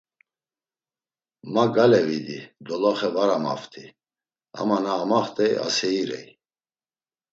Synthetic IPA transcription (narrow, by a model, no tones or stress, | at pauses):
maɡalɛvid̪id̪ɔlɔχɛvaɾama̰ft̪ʰi | a̰manaːmaχt̪ʼɛja̰sɛiɾɛ̰j